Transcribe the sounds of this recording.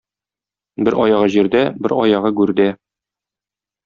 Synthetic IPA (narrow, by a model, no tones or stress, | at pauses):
bɘɾʔɒjɑʁɤʑiɾd̪æbɘɾɒjɑʁɤɡʉɾd̪æ